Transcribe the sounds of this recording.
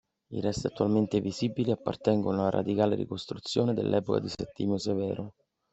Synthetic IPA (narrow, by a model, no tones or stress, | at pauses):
ḭrɛst̪eat̪ːualment̪eviziːbiliapːa̰rt̪ɛŋɡonalaɾʔa̰d̪ikaːlerḭkost̪ɾut̪sːjoːned̪ḛlːʔɛ̰ːpoka̰d̪isɛt̪ːimosevɛːɾo